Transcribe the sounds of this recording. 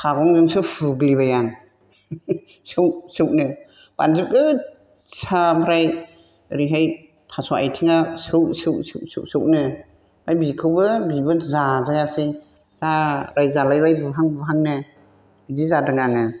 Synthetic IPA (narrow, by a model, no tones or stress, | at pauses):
kʰaɡɔŋzɯŋsɯpʰuɡlibajaŋ | sɯwsɯwnɯ | b̥a̰nzɯp̚ɡɯ | sʰabʰɾaj | ɾiɦaj | pʰasɔa̰jtʰiŋasɯwsɯwsɯwsɯ̰ʔsɯwʔ̚nɯ | bajbikʰɯbɯbibɯzazajasi | zaɾajzalajɾajbɯɦaŋbɯɦaŋnɯ | zizadɯŋaŋɯ